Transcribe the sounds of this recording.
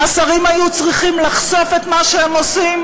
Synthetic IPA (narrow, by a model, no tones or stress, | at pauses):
asaʁimajut͡sʁiχimlaχso̞fe̞t̪maʃeemo̞sim